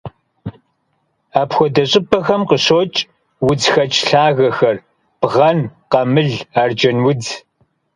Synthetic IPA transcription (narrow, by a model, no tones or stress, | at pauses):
aːpxʷɔdɐɕʼɪpʰʼɐxɐmqəɕoːt͡ʃʼ | wʊd͡zxɐt͡ʃʼɬaːɣɐxɐr | b̥ʁɐnqɐmɨɮaːrd͡ʒɐnwʊd͡z